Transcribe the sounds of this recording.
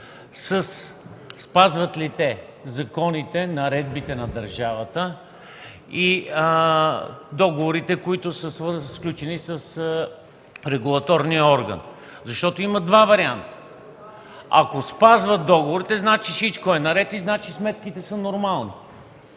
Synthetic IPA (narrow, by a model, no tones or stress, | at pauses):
səsː | pazvət̪lit̪ɛ | zɐkɔnit̪ɛnɐɾɛd̪̚bit̪ɛnɐd̪ɐɾʒavət̪ə | i | d̪ɔɡovoɾit̪ɛkoit̪ʊsəsvəsklʲut͡ʃɛnisəs | ɾɛɡulˠɐt̪ɔɾnijəɔɾɡə̰n | zɐʃt̪ɔt̪oiməd̪vavɐɾiant̪ə̥ | ɐ̰kospazvət̪̚d̪ɔɡovoɾit̪ɛznat͡ʃisit͡ʃkoɛnɐɾɛt̪iznat͡ʃismɛt̪kit̪ɛsənoɾmalˠni